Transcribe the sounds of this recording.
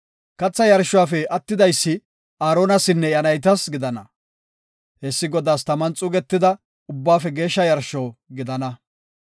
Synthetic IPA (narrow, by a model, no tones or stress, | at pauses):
kɐt͡sːɐjɐɾʃːʊwaːfɛɐt̪ːɪd̪ɐjsːɪ | aːɾoːnɐsɪnːɛjɐnɐjt̪̬ɐsɡɪd̪ɐnɐ | hɛsːɪɡɔd̪aːst̪ɐmɐnt͡sʼʊɡɛt̪ːɪd̪ɐ | ʊbːaːfɛɡe̞ːʃːɐjɐɾʃoːɡɪd̪ɐnɐ